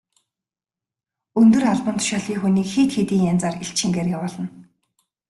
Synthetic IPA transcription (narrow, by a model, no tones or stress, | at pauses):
ɵnt̪ɵ̆raɮpə̆nt̪ʰʊ̥ʃaːɮiːŋxuniːkxeːt̪xet̪iːŋjant͡saːriɬt͡ɕʰĭŋɡeːrjawʊːɮə̆n